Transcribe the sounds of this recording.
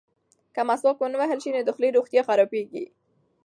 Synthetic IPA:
kamaslɑkwənəwaɦəlʃinod̪əxliɾoxt̪jɑxaɾɑpeɡi

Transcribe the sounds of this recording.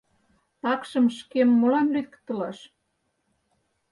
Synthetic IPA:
t̪ɑkʃə̆mʃkemːolɑnlyð̆kt̪ə̆lɑʃ

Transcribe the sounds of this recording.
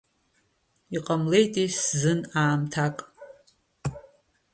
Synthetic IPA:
iqʼamle̞jtʼiszɨnaːmtʰakʼ

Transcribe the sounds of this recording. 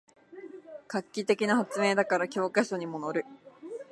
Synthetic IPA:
kakʲːit̪e̞kʲinahat͡sɨme̞ːd̪akaɾakʲo̞ːkaɕo̞ɲ̟imo̞no̞ɾɯ̟

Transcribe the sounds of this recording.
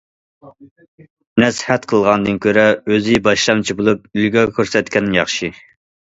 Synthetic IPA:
nɛshɛt̪qʰəlˠʁɑnd̪ɨnkʲʰøɾɛøzɪbɑʃlˠɑnt͡ʃʰibolˠup̚ylɡʲɛkʲʰøɾsɛt̪kʲʰɛnːɪŋjɑχʃi

